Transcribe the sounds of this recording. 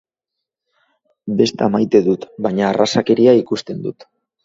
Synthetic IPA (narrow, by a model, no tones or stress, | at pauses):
be̞st̪amajt̪e̞ðut̪baɲaːrasake̞ɾiaikust̪e̞nd̪ut̪